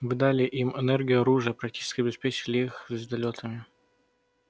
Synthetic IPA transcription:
vɨd̪alʲɪʔimɛnɛrɡʲɪjʊɐɾuʐɨəpɾɐk̚tʲi̥t͡ɕɪ̥skʲɪɐbʲɪspʲet͡ɕɪlʲɪixʲɪzʲt̪ɐlʲot̪ʰəmʲɪ

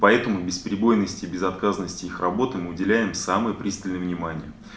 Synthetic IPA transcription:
pɐɛt̪əmʊbʲɪspɾʲɪbo̞jnːəsʲtʲɪːbʲɪzɐt̪kazənːəsʲtʲɪixrɐbo̞t̪ɨmɨʊdʲɪlʲæjɪmsamɨjəpɾʲist̪əlʲnəjəvnʲɪmanʲɪjə

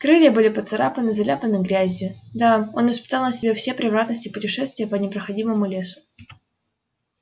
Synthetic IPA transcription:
kɾɨlʲɪjəbɨlʲɪpət̪sɐɾa̰pənɨzɐlʲapənɨɡɾʲæzʲjʊd̪ao̞̰nvɪspʲɪ̥t̪ɑlˠnəsʲɪbʲefsʲepɾʲɪvɾat̪nəsʲtʲɪpʊtʲɪʂɛst̪vʲɪjəpənʲɪpɾəxɐdʲiməmʊlʲe̞sʊ̥

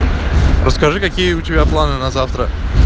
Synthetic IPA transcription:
rʔəskɐʐɨkɐkʲijəʊtʲɪbʲaplˠanɨnɐzaft̪ɾə

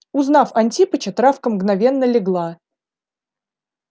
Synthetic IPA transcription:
ʊznafɐnʲtʲipət͡ɕət̪ɾafkəmɡnɐvʲenːəlʲɪɡlˠa

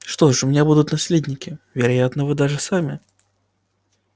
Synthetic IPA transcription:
ʂt̪oʂʊmʲɪnʲabud̪ʊt̪nɐsʲlʲed̪ʲnʲɪkʲɪvʲɪɾajat̪nəvɨd̪aʐɨsamʲɪ

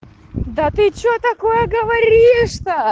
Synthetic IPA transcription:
d̪ɐt̪ɨt͡ɕot̪ɐkojəɡəvɐɾʲiʂt̪ɐ

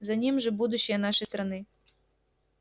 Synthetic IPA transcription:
zanʲimʐɨbud̪uɕːɪjənaʂɐəjst̪ɾɐnɨ

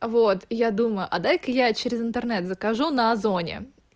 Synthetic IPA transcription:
vot̪jad̪uməjʊʔɐd̪ajkəjat͡ɕeɾʲɪzɨnt̪ɨrnɛt̪zəkɐʐunɐzonʲɪ̰

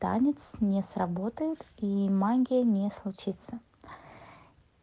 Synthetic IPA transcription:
t̪a̰nʲɪt̪snʲesrɐbot̪əjɪt̪imaɡʲɪjənʲeslˠʊt͡ɕit̪sə

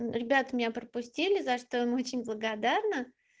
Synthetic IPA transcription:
ɾʲɪbʲat̪əmʲɪnʲapɾəpʊsʲtʲilʲɪzɐʂt̪oəmo̞t͡ɕɪnʲblˠəɡɐd̪arnə

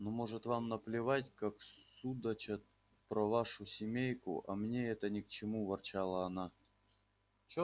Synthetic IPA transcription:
nomo̞ʐɨt̪vamnəplʲɪvatʲkakssud̪ət͡ɕə | pɾɐvaʂʊsʲɪmʲejkʊ̰ʔɐ̰mnʲeɛt̪ənʲɪkt͡ɕɪmuvɐrt͡ɕalˠəːna | t͡ɕ

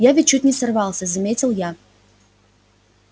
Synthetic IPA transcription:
javʲɪt̚ʲt͡ɕːut̚ʲnʲɪsɐrvɑlˠsʲəzɐmʲetʲɪlˠja

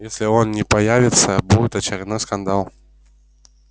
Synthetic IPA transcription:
jasʲlʲiɔnnʲɛpajavʲit̪sːɐbuɛt̪ɐt͡ʃʲarnɔskand̪alˠ

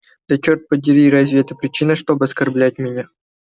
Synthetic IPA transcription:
d̪ɐt͡ɕort̪̚pədʲɪɾʲiɾazʲvʲiɛt̪əpɾʲɪt͡ɕinəʂt̪obɨɐskɐrblʲæt̚ʲmʲɪnʲa

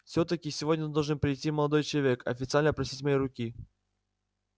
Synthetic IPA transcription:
fsʲot̪əkʲɪsʲɪvodʲnʲəd̪oʐɨnpɾʲɪjtʲiməlˠɐd̪o̞jt͡ɕɪlˠɐvʲekɐ̰fʲɪt̪sɨalʲnəpɾɐsʲitʲmɐjijɾʊkʲi

